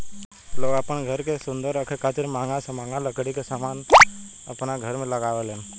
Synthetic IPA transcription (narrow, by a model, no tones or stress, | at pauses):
loːɡaːpəɳɡʱəɾkesʊnd̪əɾəkʰekʰat̪ɪɾmãːŋɡasəmaːŋɡaləkɽikesamaːn | ə̰pnaɡʱəɾmẽləɡaʋelẽn